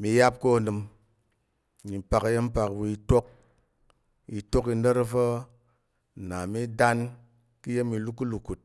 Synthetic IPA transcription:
mi˧ja˦p̚ko˦˨dɨ˧m˨ | ɲi˨pa˨kje˦m̩˦pa˨kwu˧i˧˦to˦k̚ | i˨to˦ki˧n˦ə˦ɾa˦fə˦˨ | na˨mi˦da˦n | kɨ˦je˦mi˧lu˦ku˦lu˨ku˨t̚

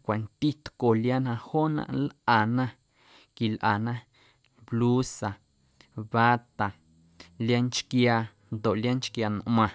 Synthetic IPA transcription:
kʷa˨nt̪i˦t̪ko˨lja˦nã˧ho˦nã̰˧ʔlʔa˨nã˦ | ki˨lʔa˨nã˦ | blu˦sa˨ | ba˦t̪a˨ | lja˦nt͡ʃkja˧ | nd̪o˨ʔlja˦nt͡ʃkja˧n˨ʔmã˧˨

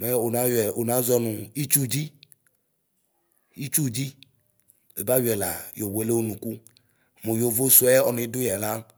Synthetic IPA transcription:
mɛ˦o˨na˦jɛ˨o˨na˨˦zɔ˦nu˨i˦t͡ʃu˦d͡ʒi˦ | i˦t͡ʃu˦˨d͡ʒi˦ | e˨ba˦wɛ˨la̰˨jo˨we˦le˦o˦nũ˨ku˦˨ | mo˨jo˨vo˦su˦ɛ˦ɔ˨ni˨˦du˦jɛ˨la˦

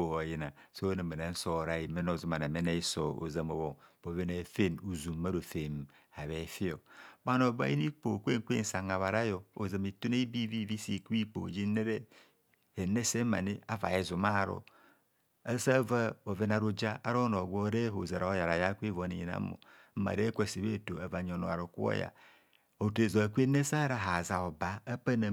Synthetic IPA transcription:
o˨o˨ji˦na˨so˦ne˨me˨na˨n̩˦so˦˨ɾa˦˨ji˨me˦no˨zu˦ma˨na˨me˦ne˦i˦so˨o̰˨za˨mo˨wo˨b̥o˨ve˦ne˨fe˦nu˨zu˨mːa˦ɾo˨fe˨m˨ | a˨βe˨˦fi˦o˨ba˦no˨ba̰˦ji˦ni˦k͡po˨kʷe˦ŋ˨kʷḛ˦n̩˨sa˨ŋa˨βa˨ɾa˦jo˨o˨za˨mi˨tu˦ne˦i˦bi˦vi˦vi˦si˨ki˦k͡po̰˨d͡ʒi˦ne˦ɾe˦ | e˨ne˦se˦ma̰˨ni˦a˦va̰˨je˨zu˨ma˦˨ɾo̰˨ | a˦sa˦va˦o˨ve˦na˨ɾu˦d͡ʒa˦a̰˦ɾo˦no˨ɡʷo˦ɾe˦ɦo˨za˨ɾa˨˦ja˨ɾa˨ja˦kʷi˦vo˨˦ni˨ji˨na̰˦mo̰˨˦a̰˨ɾe˦kʷe˦˨si˨βe˦˨to˨a˨va˨ɲ˨o˨no̰˨a̰˨ɾo˨ku˦o̰˦ja̰˨ | o˨te˨zo˨a˨kʷe˦ne˦sa˦ɾa˨ɦa˨za˨o˨ba˨a˦pa˦na˨

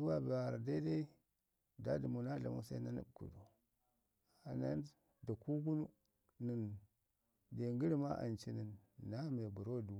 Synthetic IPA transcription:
du˦wa˦bi˨a˨ɾa˨da˦i˦da˦i˦ | da˦di˨mu˨na˦ɮa̰˨mṵ˦sa˦na˦nḭ˦b̚kṵ˨do˨ | a˨na̰˦n | da˨ku˦ɡu˦nu˦ | ni˨n | de˨ŋɡi˦ɾi˦ma˦ʔa̰˨nt͡ʃi˦ni˨nːa˦me˨bu˨ɾo˦˨du˨˦

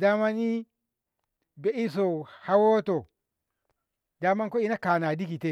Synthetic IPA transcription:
da˦ma˦ni˦ | be˨˦ʔi˦s̬o˨ha˦wo˦to˨ | da˦ma˦nko˦i˦na˦ka˨na˨di˦ki˨te˦

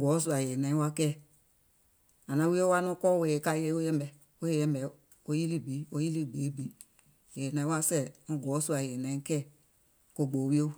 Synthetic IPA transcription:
ɡɔ˨˦s̬u˨a˨je˨nã˨˦ĩ˦wa˦kɛ˦˨ | a˨nã˨˦wi˦o˦wa˦nũ˦kɔ˦˨we˨e˨ka˧˨je˦o˦jɛ˦mbɛ˨ | o˦je˨jɛ̃˦bɛ˨ | o˧˦ji˦li˦˨bi˨˦o˧ji˦li˦˨ɡ͡be˨˦bi˨˦ | je˨nã˨ĩ˦wa˦sɛ˦˨ɔ̃˧˨ɡɔː˨˦su˦a˨je˨nã˨˦ĩ˦kɛ˦˨ | ko˨ɡ͡bo˨wi˦o˦

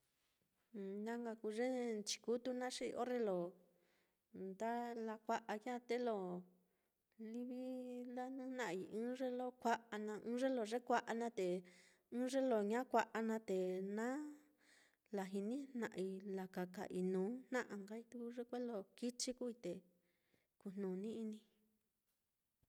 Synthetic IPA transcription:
nã˦ŋɡa˧ku˧ʐe˦t͡ʃi̥˧ku˦t̪u˦nã˦ʂi˦˧ʔo̰˦re˦lo˨ | nd̪a˦la˧kʷa˧ʔa˧ja˦˨t̪e˦lo˨ | li˧βi˦la˦nũ˦nã˧ʔi˧ɨ̃˦ʐe˦lo˦kʷa˦ʔa˧nã˧ʔɨ̃ː˦ʐe˦lo˧ʐe˦kʷa˧ʔa˧nã˦t̪e˨ | ɨ̃ː˦ʐe˦lo˨ɲã˦kʷa˧ʔa˧nã˧t̪e˨nã˦ | la˨ɦi˧nĩ˦nã̰˧ʔi˧la˨ka˨ka̰˨ʔi˧nũː˨˦n̥nã˦ʔa˧ŋɡa˦i˦t̪u˦ku˦ʐe˦kʷe˦lo˦ki˦t͡ʃi˦ku˦i˧t̪e˨ | ku˧n̥nũː˨nĩ˦i˧nĩ˧

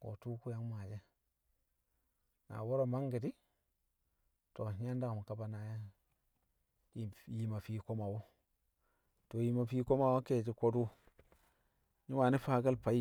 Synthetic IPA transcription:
ko̰˨tu˦ku˦ja˦ŋ˦ma˨d͡ʒe˦ | na̰˨wo˦ɾo˨ma˦ŋɡi˨di˦ | to˨˦a˦nda˦kmu˨ka˦ba˦na˨ja˦ | i˨ji˦ma˨fi˦ko˦ma˨wo˦ | to˨ji˦ma˨fi˦ko˦ma˨wo˦ke˨ti˦ko˦du˦ | ɲi˦wa˨ni˦fa˦ɡa˦lpa˨i˦

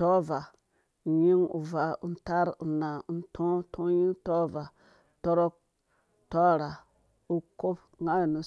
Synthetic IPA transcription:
tɔ˦va˨ | ji˦ŋṵ˨va˨u˦nta˦ɾu˨na˨u˦ntʰõ˦tʰõ˦ji˦ŋto˦va˨ | to˦ɾo˦k̚ | to˦ɾa˨ | u˦ko˦p | ŋa˦jnu˨

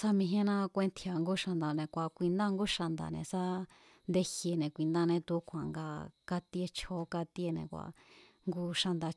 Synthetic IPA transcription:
sa˦mĩ˧ɦẽ˦nã˦kʷẽ˧nt̪ʰja˨ŋɡu˦ʃa˧nd̪a˨nẽ˨kʷa˨kʷi˧nd̪a˦˧ŋɡu˦ʃa˧nd̪a̰˨nḛ̃˨sa˦ | nd̪e˧hje˧nẽ˨kʷi˧nd̪ã˦˧nẽ˧t̪u˧˦kʷʰa˨ŋɡa˧ka˧t̪i˧˦e˧t͡ʃʰo˧˦ka˧t̪i˧˦e˧nḛ̃˧˨kʷa̰˨ | ŋɡu˦ʃa˧nd̪a˧

